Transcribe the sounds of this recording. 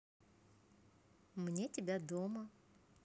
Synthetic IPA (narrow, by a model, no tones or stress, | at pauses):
mnʲetʲɪbʲad̪omə